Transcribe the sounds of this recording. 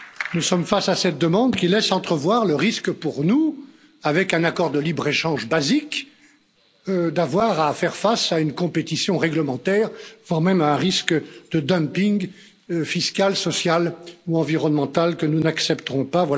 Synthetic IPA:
nusɔmfasasɛt̪̚d̪əmɑ̃d̪kʲilɛsɑ̃t̪χəvwaʁləʁiskpuʁnu | avɛkɛ̃nakɔʁd̪əlibʁeʃɑ̃ʒbazik | d̪avwaʁafɛʁfasaynkɔ̃pet̪isjɔ̃ʁɛɡləmɑ̃t̪ɛːʁvwaʁmɛmaɛ̃ʁiskd̪əd̪əmpiŋɡ | fiskalsɔsjaluɑ̃viʁɔnmɑ̃t̪alkənunaksɛpt̪əʁɔ̃pavwala

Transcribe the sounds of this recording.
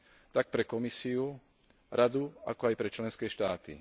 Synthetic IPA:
t̪ak̚pɾɛkɔmisiu | ɾʔad̪ua̰kɔajpɾɛt͡ʃlɛnskɛːʃt̪aːt̪ḭ

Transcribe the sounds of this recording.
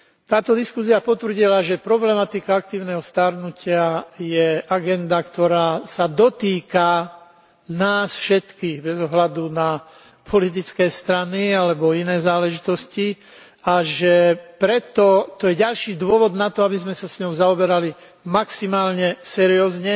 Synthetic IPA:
t̪aːt̪ɔd̪iskusiapɔt̪ʋɾ̩ɟilaʒɛpɾɔblɛmat̪ikaak̚t̪iːʊnɛɦɔst̪aɾnucɪajɛʔaɡɛnd̪akt̪ɔɾaːsad̪ɔt̪iːka | naːsfʃɛt̪kiːɣbɛzɔɦlad̪una | pʰɔlit̪̬it͡skɛːst̪ɾanialɛbɔinɛːzaːlɛʒit̪ɔsci | aʒɛpɾɛt̪ɔt̪ɔjɛɟalʃiːd̪ʊɔʋɔd̪nat̪ɔabizmɛsasɲɔʊzaɔbɛɾali | maksimaːlɲɛsɛɾiɔːzɲɛ

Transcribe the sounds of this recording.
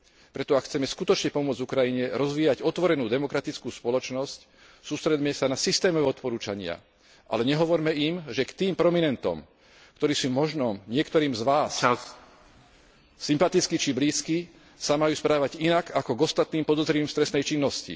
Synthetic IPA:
pɾɛt̪ɔakxt͡sɛmɛskut̪ɔt͡ʃɲɛpɔmʊɔd͡zukɾajiɲɛɾɔzʋiːjaɟɔt̪ʋɔɾɛnuːd̪ɛmɔkɾat̪it͡skuːspɔlɔt͡ʃnɔsc | suːst̪ɾɛd̪mɛsanasist̪ɛːmɔʋɛːɔt̪pɔɾuːt͡ʃaɲɪa̰ | ʔa̰lɛɲɛɦɔʋɔɾmɛimʒɛkt̪iːmpɾɔminɛnt̪ɔ̰m | kt̪ɔɾiːsuːmɔʒnɔmɲɪɛkt̪ɔɾiːmzʋaːs | impat̪it͡skit͡ʃibliːski | samajuːspɾaːʋaɟinakakɔɡɔst̪at̪niːmpɔd̪ɔzɾiiːmst̪ɾɛst̪nɛjt͡ʃinːɔscḭ

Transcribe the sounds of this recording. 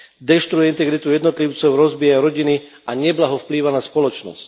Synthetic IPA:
d̪ɛʃt̪ɾujɛint̪ɛɡɾit̪ujɛd̪nɔt̪liʊt͡sɔʊɾɔzbiːjaɾɔɟini | aɲɛblaɦɔfpliːʋanaspɔlɔt͡ʃnɔ̰sc

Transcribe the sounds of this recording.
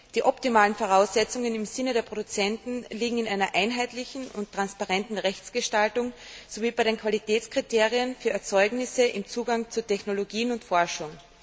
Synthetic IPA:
d̥iːʔɔptimaːlənfoʁ̞aʊsɛt͡sʊŋənɪmzɪnədeːɐpʁ̥odʊt͡sɛntn̩liːɡŋ̩ɪnʔaɪnɐʔaɪnɦaɪtlɪçn̩ʊntːʁ̥anspaʁɛntn̩ʁɛçt͡sɡ̥əʃtaltʊŋz̥oviːbaɪɾeːnkʰv̥alitʰɛːt͡skʁ̥iteːʁiənfyːɐɛɐt͡sɔʏɡnɪsəʔɪmt͡suːɡaŋt͡sutʰɛçnoloɡiːnʊntfɔɐʃʊŋ

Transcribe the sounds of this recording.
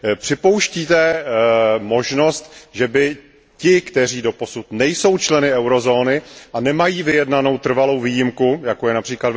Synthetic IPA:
pr̥ɪpo̞wʃciːt̪ɛ | mo̞ʒno̞st̪ʒɛbɪ | cɪkt̪ɛr̝iːdo̞po̞sut̪nɛjso̞wt͡ʃlɛnɪɛwɾo̞zo̞ːnɪʔanɛmajiːvɪjɛdnano̞wt̪r̩valo̞wviːjɪmkujakojɛnapr̥iːklad

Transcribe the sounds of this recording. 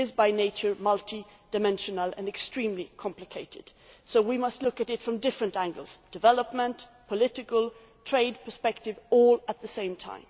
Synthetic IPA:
ɨzbaɪneɪt͡ʃə˞mʌlˠtid̥ɨmɛ̃nʃɨnəl̩ˠɨ̰̃nɨkstɹ̥ĩmlikʰɑ̃mplɨkʰeɪɾɨ̰d̥soʊwimʌstˡlʊkɨɾɨtfɹʌ̃mdɪfɹɨ̃ntæ̃ŋɡəlˠz̥d̥ɨvɛlˠəpmə̃npʰəlɪɾɨkəl̩ˠ | tʰɹ̥eɪd̚pʰə˞spɛk̚tɨvɔlˠət̪̚ðɨsẽɪ̃mtʰã̰ɪ̃m

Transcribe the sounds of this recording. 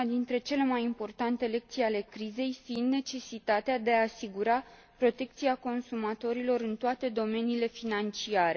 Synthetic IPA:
ad̪int̪ɾe̞t͡ʃe̞le̞majimpo̞rt̪ant̪e̞le̞k̚t̪sijale̞kɾize̞jfinne̞t͡ʃe̞sit̪at̪ead̪e̞aːsiɡuɾa | pɾo̞t̪e̞k̚t̪siako̞nsumat̪o̞ɾilo̞ɾɨnt̪oat̪e̞d̪o̞me̞niːle̞finant͡ʃiaɾe̞

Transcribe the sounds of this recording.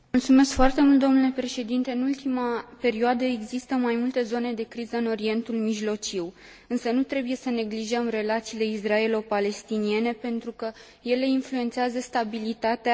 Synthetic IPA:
mult̪sume̞skfoart̪e̞mult̪d̪o̞nule̞pɾe̞ʃe̞d̪int̪e̞ɨnult̪imape̞ɾioad̪əe̞ɡzist̪əmajmult̪e̞zo̞ne̞d̪e̞kɾizəɨno̞ɾie̞nt̪ulmiʒlo̞t͡ʃiw | ɨnsənut̪ɾe̞buje̞səne̞ɡliʒəmre̞lat̪siːle̞israe̞lo̞pale̞st̪inie̞ne̞pe̞nt̪ɾukə | je̞le̞influe̞nt̪seazəst̪abilit̪at̪ea

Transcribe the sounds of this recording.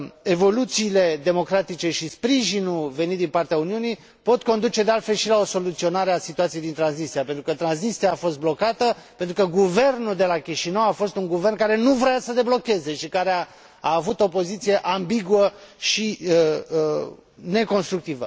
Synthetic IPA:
e̞vo̞lut̪siːle̞d̪e̞mo̞kɾat̪it͡ʃe̞ʃispɾiʒinulve̞nit̪d̪inpart̪eauniunij | po̞t̪ko̞nd̪ut͡ʃe̞d̪e̞alt̪fe̞lʃilao̞so̞lut̪sio̞naɾeasit̪uat̪sijejd̪int̪ɾansist̪ɾijapent̪ɾukət̪ɾansnist̪ɾiaːfo̞st̪̚blo̞kat̪əpent̪ɾukəɡuve̞rnuld̪e̞lakʲiʃinəwafo̞st̪uŋɡuve̞rnkaɾe̞nuvɾojasəd̪e̞blo̞kʲe̞ze̞ʃikaɾea | aːvut̪o̞po̞zit̪sije̞ʔambiɡuəʃi | ne̞ko̞nst̪ɾuk̚t̪ivə

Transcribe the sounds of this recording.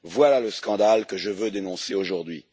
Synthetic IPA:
vwalaləskɑ̃d̪alkəʒəvød̪enɔ̃seoʒuʁd̪ɥḭ

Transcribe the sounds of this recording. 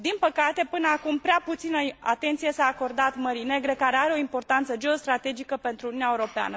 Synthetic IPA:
d̪inpəkat̪e̞pɨnəakumpɾeaput̪sinəa̰t̪e̞nt̪sije̞saːko̞rd̪at̪məɾine̞ɡɾe̞kaɾe̞aɾe̞o̞impo̞rt̪ant̪səd͡ʒe̞ost̪ɾat̪e̞d͡ʒikəpe̞nt̪ɾuniuneaeuɾo̞pea̰nə

